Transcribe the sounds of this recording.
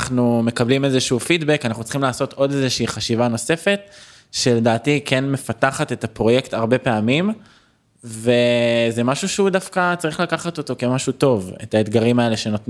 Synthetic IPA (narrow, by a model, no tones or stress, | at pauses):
χnume̞kablime̞zeʃufidbekanaχnut͡sl̥̩χimlaːso̞t̪o̞de̞zeʃiːχaʃivano̞se̞fe̞t | ʃe̞le̞daːtikʰenme̞fataχat̪e̞tapʁo̞je̞kt̪aʁbe̞peamim | ve̞zemaʃuʃeudafkat͡saʁiχlakaχat̪o̞to̞ke̞maʃuto̞vḛtaetɡaʁimae̞le̞ʃe̞not